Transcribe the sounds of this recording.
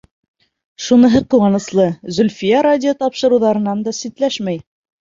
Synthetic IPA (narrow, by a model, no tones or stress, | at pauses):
ʃunɤ̆ɦɤqŭwɑnɤ̆slˠɤzɵ̆lʲfijɑɾadʲɪot̪ɑpʃɤ̆ɾɤ̆wðɑɾɤ̆nɑnd̪ɑsit̪læʃmæj